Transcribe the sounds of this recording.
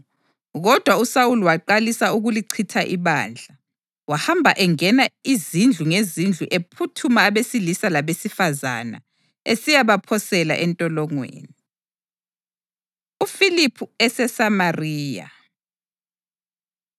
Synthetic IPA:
ɣɔd̥ʱwausawuluwaǃalisauɣuliǀʰitʰaʔiβa̰ːnd͡ɮʱa | wahambʱaʔɛŋɛnaizind͡ɮʱuŋezind͡ɮʱuʔepʰutʰumaːβesilisalaβesifaza̰na̰ | esijaβapʰɔsɛla̰ʔɛntʼɔlɔŋwḛːni | ufilipʰuɛsɛsamariːja̰

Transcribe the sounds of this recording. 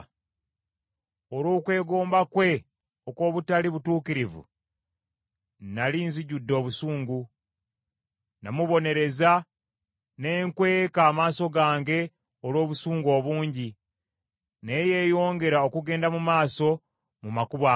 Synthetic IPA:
oloːkwe̞ːɡo̞ːmbakwe̞ | okwo̞ːβutaliβutuːkiɾivṵ | naliːnziɟudːo̞ːβusuːŋɡu | namuβo̞ne̞ɾe̞za | ne̞ːŋkwe̞ːkaːmaːso̞ɡaːŋɡe̞ | olwo̞ːβusuːŋɡo̞ːβuːɲɟi | ne̞jeːjo̞ːŋɡe̞ɾao̞kuɡe̞ːndamumaːso̞ | mumakuβaː

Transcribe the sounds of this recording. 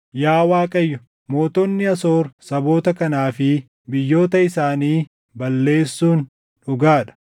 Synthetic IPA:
jaːwaːkʼɐjːʊ | mo̞ːt̪ɔnːɪɐso̞ːɾsɐbo̞ːt̪ɐkɐnaːfɪ | bɪjːo̞ːt̪ɐɪsaːniː | bɐlːe̞ːsːuːn | ᶑʊɡaːᶑɐ̥

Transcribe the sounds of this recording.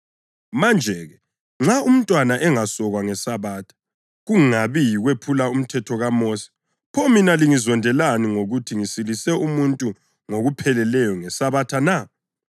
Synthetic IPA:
mand͡ʒʱɛɣɛ | ŋ͡ǁaum̩ntʼwanaʔɛŋasɔɣwaŋɛsaβaːtʰḁ | ɣuŋŋaβijiɣwepʰulaum̩tʰɛtʰɔɣamoːsi̥ | pʰɔminaliŋizɔndʱɛlaniŋoɣutʰiŋisilisɛumuntʼu | ŋoɣupʰɛlɛlɛjɔŋɛsaβatʰana

